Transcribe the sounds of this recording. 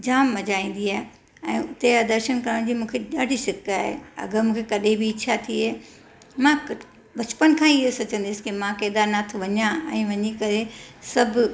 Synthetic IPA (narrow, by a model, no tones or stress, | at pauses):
d͡ʑaːmːɐd͡ʑaːĩːn̆d̪iaːɦe | ɛ̃ːʊt̪ead̪ɐɾʃənkɐɾəɽ̃d͡ʑiːmũːkʰeʄaːɽʱisɪkaːɦḛɐ̰ɡəmũːkʰekɐɗẽbiːt͡ɕʰat̪ʰiɦeː | mã | bɐt͡ɕpənkʰãːɪɦosɐt͡ɕə̃nd̪ɪsɪ̥kimãkeːd̪aːɾnat̪ʰʋɐɲãɛ̰̃ːʋɐɲikɐɾesɐbʱʊ